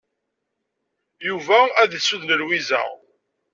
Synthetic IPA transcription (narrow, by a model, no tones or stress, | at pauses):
juvææðsuðnəɾwizæ̰